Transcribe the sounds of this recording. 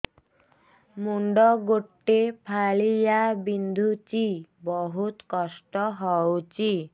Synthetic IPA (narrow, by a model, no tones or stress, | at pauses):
muɳɖɔɡoʈːepʰalijabind̪ʱut͡ɕibɔɦut̪kɔsʈɔɦɔot͡ɕi